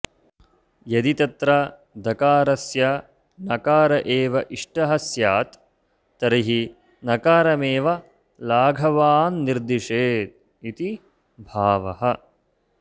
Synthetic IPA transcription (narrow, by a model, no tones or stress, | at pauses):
jɐd̪it̪ɐt̪ɾɐ | d̪ʱɐkaːɾɐsjɐ | nɐkaːɾɐʔeːʋɐʔiʂʈɐɦɐsjaːt̪ː | ɐɾiɦi | nɐkaːɾɐmeːʋɐ | laːɡʱɐʋaːnːiɾd̪iʂeːt̪̚ | it̪i | bʱaːʋɐ̰ɦɐ